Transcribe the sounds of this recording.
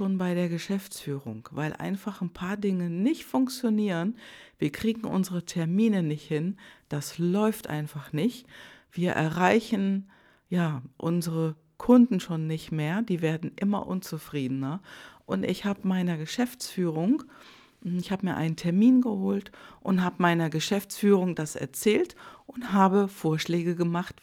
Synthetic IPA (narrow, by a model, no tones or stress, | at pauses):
ʃoːnbaɪɾeːɐɡəʃɛft͡sfyːʁ̞ʊ̰ŋkvaɪlʔa̰ɪnfaχnpʰaːɐdɪŋənɪçtfʊŋk̚t͡sjoniːʁənviːɐkʁ̥iːɡŋ̩ʔʊ̰nzəʁətʰɛɐmiːnənɪçthɪnd̥aslɔʏftʔa̰ɪnfaχnɪçtv̥iːɐʔɛ̰ɐʁaɪçn̩ | jaːʔʊnzəʁə | kʰʊndn̩ʃoːnːɪçtmeːɐdiːveːɐdn̩ʔɪmɐ̰ʔʊ̰nt͡sufʁ̥iːdnɐʔʊntɪçhaːbəmaɪnɐɡəʃɛft͡sfyːʁʊŋ | ɪçhaːbəmiːɐʔaɪnəntʰɛɐmiːnɡəhoːltʔʊnthaːbəmaɪnɐɡəʃɛft͡sfyːʁʊŋdasɛ̰ɐt͡sɛːltʔʊntɦaːbəfoːɐʃlɛːɡəɡəmaχt